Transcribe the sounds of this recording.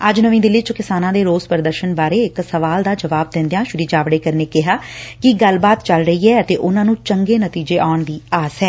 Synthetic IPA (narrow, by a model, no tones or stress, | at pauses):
əd͡ʒnəʋĩːd̪ɪlːiːt͡ʃʊkɪsaːnãːd̪eːɾoːzpɾəd̪əɾʃənbaːɾeːɪksəʋaːld̪aːd͡ʒəʋaːb̚d̪ɪ̃nd̪ejãːʃʊɾiːd͡ʒaːʋɽeːkəɾneːkɪɦaːkɪɡəlbaːt̪t͡ʃəlɾəiːɦɛːət̪eːʔʊnãːnũːt͡ʃəŋɡeːnət̪iːd͡ʒeːʔaːɳd̪iːaːsɦɛː